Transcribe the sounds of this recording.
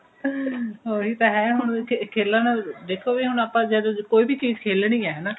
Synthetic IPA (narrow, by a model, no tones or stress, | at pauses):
oːɦiːt̪ãːɦɛːɦʊɳ̃kʰeːlãːnãd̪eːkʰoːbiɦʊɳ̃aːpãːd͡ʒɛːd̪okoːiːbiːt͡ʃiːzkʰeːlɽ̃ĩːɛːɦɛːnaː